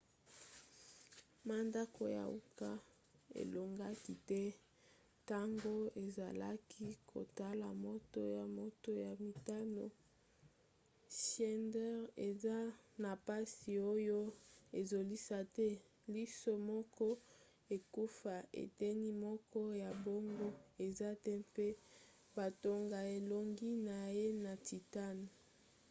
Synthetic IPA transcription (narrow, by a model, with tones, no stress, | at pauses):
ma˦nda˦ko˨ja̰˨ṵ˦ka˦ | ḛ˨lo˨ŋɡa˦ki˨tɛ˦ | ta˦ŋɡo˦e˨za̰˨la˦kʰi˦kʰo̰˨ta˦la˨mo˦to˦ja˨mo˦to˦ja˨mi˨ta˦no̰˨ | ʃɛ˦ndɛ˦ʁe˨za˦na˨pa˦si˨o˦jo˦e˨zo˨li˦sa˦tɛ˦ | li˦so˦mɔ˦kɔ˦ | e˨ku˦fa˨ʔḛ˨tɛ˦ni˦mɔ˦kɔ˦ja˨bo˦ŋɡo˦e˨za˦tɛ˦pe˦ | ba˨to˦ŋɡa˨e˨lo˨ŋɡi˦na˨je˦na˨ti˨ta˦ni˨